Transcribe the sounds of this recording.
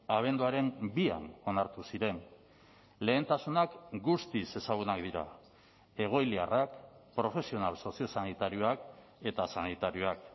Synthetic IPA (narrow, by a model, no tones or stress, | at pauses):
aβ̞e̞nd̪uaɾe̞mbia̰no̞naɾt̪usiɾe̞n | le̞ːnt̪asunakɡust̪ise̞saɣ̞unakd̪iɾa̰ | e̞ɣ̞o̞jliarakpɾo̞fe̞sio̞nalso̞sio̞sanit̪aɾioak | e̞t̪asanit̪aɾio̞ak